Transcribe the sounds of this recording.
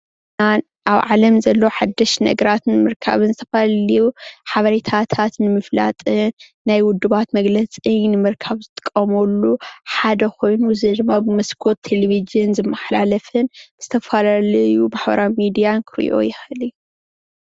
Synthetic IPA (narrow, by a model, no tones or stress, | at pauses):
ɨna | ʔaβʕalɐmzɐlːo̞ħad̪ːɐʃnɐ̰ɡɐɾat̪nɨmɨɾkʰa̰βɨnzɨt̪ʰɐfalalijuħaβɐɾet̪ʰat̪ʰat̪nɨmɨfla̰t̪ʼɨnː | ajwʊd̪ːɨβat̪mɐɡlɐt͡sʼijnɨmɨɾkʰaβzɨt̪ʼɨ̥kʼːɐmolːuħad̪ɐxo̞jnuɨzɨd̪ɨmːabɨmɐskʰot̪ʰːeleβizɨnzɨmːɐħlalɐfɨnbz̥ɨt̪ʰɐfalalɐjubaħbɐ̰ɾawmid̪ijankʰɨɾ̰ʔo̞̰jɪxɨli